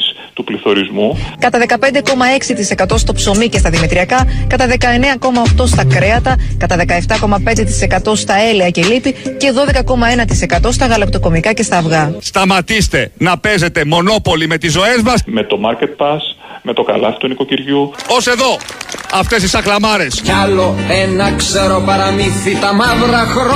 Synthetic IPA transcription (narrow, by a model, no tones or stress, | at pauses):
s | t̪upliθo̞ɾizmukɐt̪ɐðe̞kɐpe̞nd̪e̞ko̞mɐe̞ksit̪ise̞kɐt̪o̞st̪o̞pso̞mice̞st̪ɐðimet̪ɾiɐkɐkɐt̪ɐðe̞kɐe̞ne̞ɐko̞mɐːft̪o̞st̪ɐkɾe̞ɐt̪ɐkɐt̪ɐðe̞kɐeft̪ɐko̞mɐpe̞nd̪e̞t̪i̥se̞kɐt̪o̞st̪ɐe̞leɐce̞lit̪ice̞ðo̞ðe̞kɐko̞mɐe̞nɐt̪ise̞kɐt̪o̞st̪ɐɣɐlɐp̚t̪o̞ko̞mikɐce̞st̪ɐːvɣɐst̪ɐmɐt̪ist̪e̞nɐpe̞ze̞t̪e̞mo̞no̞po̞lime̞t̪izo̞e̞zmɐsmet̪o̞mɐɾcet̪̚pɐs | me̞t̪o̞kɐ̰lɐ̰fi̥t̪uniko̞ciɾʝuose̞ðo̞ɐft̪e̞sisɐklɐmɐɾe̞scɐloenɐkseɾopɐɾɐmiθit̪ɐmɐvɾɐxɾ